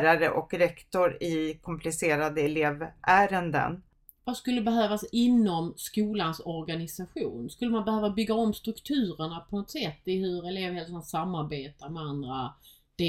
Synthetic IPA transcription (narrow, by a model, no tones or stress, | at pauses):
ɾaɾəʔɔkɾɛkt̪ɔɾɪkʰɔmpʰlɪseːɾad̪əɛleːvʔæːɾənd̪ə̰n | vaskɵlːəbɛɦøːvasɪnːɔmskuːlansɔɾɡanɪsaɧṵːnskɵlːəmanbɛhøːvabʏɡːaɔmst̪ɾɵkt̪ʰʉ̟ːɾəɳapʰɔnɔt̪sɛt̪ːɪhɵɾɛleːvhɛlsansamːaɾbeːt̪aɾmɛand̪ɾa̰ | d̪̥e